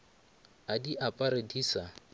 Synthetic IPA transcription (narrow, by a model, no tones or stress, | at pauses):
adiʔapʼaɾediːsa